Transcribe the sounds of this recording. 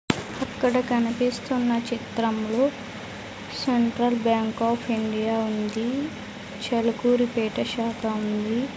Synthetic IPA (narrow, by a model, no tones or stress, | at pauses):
ɐkːɐɽɐkɐnipiːst̪unːɐt͡ʃit̪ɾɐmloː | seɳʈɾɐlbjaːŋkaːpʰiɳɖijaːund̪i | t͡ʃelukuːɾipeːʈɐʃaːkɐund̪i